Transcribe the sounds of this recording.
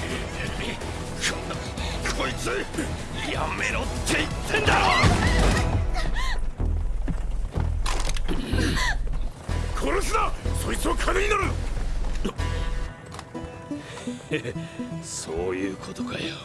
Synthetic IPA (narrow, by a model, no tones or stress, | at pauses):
t̪eɾɯmʲi | kõnːoikʰoit͡sɨ | jamḛɾot̪ʰːeit̪ʰːẽnd̪aɾo | kʰoɾosɨnasoit͡sɨβakʰaneɲ̟inaɾɯ | soːjɯːkʰot̪oka̰jo